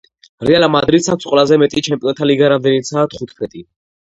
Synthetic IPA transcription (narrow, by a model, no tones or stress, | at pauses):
ɾɛalamad̪ɾit̪sʰak̚ʰsqʼwɛlazɛmɛt̪ʼit͡ʃʰɛmpʼiɔnt̪ʰaliɡaɾamd̪ɛnit̪sʰaːt̪χut̪ʰpʰɛt̪ʼi